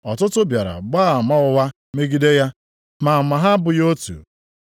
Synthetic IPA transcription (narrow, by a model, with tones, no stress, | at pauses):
ɔ˨tʊ˦tʊ˦bja˨ɾa̰˨ɡ͡baː˦a˨ma˦ʊ˦wa˦ | me˦ɡi˦de˦ja˦ | ma˨ma˨ɦa˦bʊ˨jo˦tṵ˨